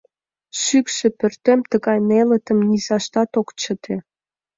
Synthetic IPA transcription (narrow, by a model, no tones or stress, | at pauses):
ʃykʃĕpørt̪emt̪əɣɑjnelə̆t̪ə̆mnizɑʃt̪ɑt̪okt͡ɕət̪ʰe